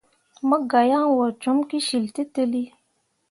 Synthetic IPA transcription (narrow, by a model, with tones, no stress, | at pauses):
mə˦ɡa˨ja˦ŋwɔ˨ɾt͡ʃo˨˦mki˦ʃi˨lte˦tə˦li˦